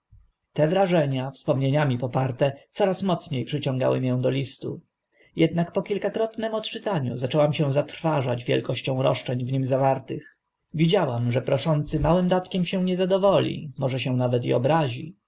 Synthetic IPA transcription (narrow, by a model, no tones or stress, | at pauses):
t̪ɛvɾaʐɛɲafspɔmɲeɲamʲipɔpaɾt̪ɛt̪sɔɾasmɔt̪sɲejpʂɘt͡ɕɔ̃ŋɡa̰wɘ̰mijɛ̃w̃d̪ɔlʲist̪ṵ | jɛd̪nakpɔkʲilkakɾɔt̪nɛmɔt̪t͡ʂɘt̪aɲṵzat͡ʂɛwamɕɛ̃w̃zat̪ɾfaʐad͡ʑvʲjɛ̰lkɔɕt͡ɕɔ̃w̃ɾɔ̰ʂt͡ʂɛɲvɲimzavaɾt̪ɘx | vʲid͡ʑawamʐɛpɾɔʂɔnt̪sɘmawɘmd̪at̪kʲɛmɕɛw̃ɲɛzad̪ɔvɔlʲḭmɔʐɛɕɛ̃w̃navɛt̪̬ḭɔbɾaʑḭ